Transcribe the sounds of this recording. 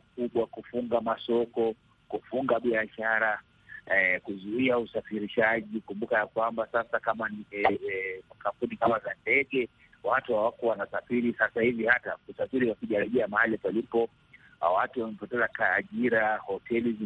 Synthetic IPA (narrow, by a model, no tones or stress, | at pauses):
kuɓwakufuŋɡamasɔkɔ | kufuŋɡaɓiaʃaɾa | kuzuiausafiɾiʃaʄikumbukajakwambasasakaman | makam̩punikamazandɛɠɛ | watuhawakɔwanasafiɾisasahivihatausafiɾiwakuʄaɾɛʄɛamaalipalipɔ | watuwamɛpɔtɛzakaːʄiɾahɔtɛlizi